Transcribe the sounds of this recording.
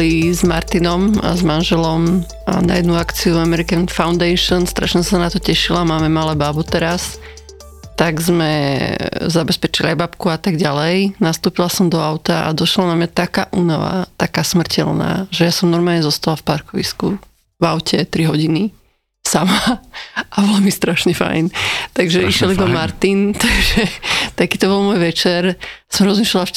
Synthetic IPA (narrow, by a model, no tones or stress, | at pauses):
lizmaɾt̪inɔma̰zmanʒɛlɔm | a̰na̰jɛd̪nuakt͡siuamɛɾikanfaʊnd̪ɛjʃɔnst̪ɾaʃɲɛsanat̪ɔcɛʃilamaːmɛmalɛbaːbut̪ɛɾas | t̪aɡzmɛ | zabɛspɛt͡ʃiliajbapkuat̪aɡɟalɛjnast̪uːpilasɔmd̪ɔaʊt̪aʔa̰d̪ɔʃlanamɲat̪aka̰ːʔunaʋa̰t̪akaːsmr̩cʰɛ̰lna̰ːʒɛjasɔmnɔɾmaːlɲɛzɔst̪alafpaɾkɔʋḭsku | vaʊcɛt̪ɾiɦɔɟini | samaʔabɔlamist̪ɾaʃɲɛfa̰jnt̪aɡʒɛiʃjɛlid̪ɔmaɾt̪int̪aɡʒɛt̪akiːt̪ɔbɔlˠmɔːjʋɛt͡ʃɛɾsɔmɾɔzmiʃlalaf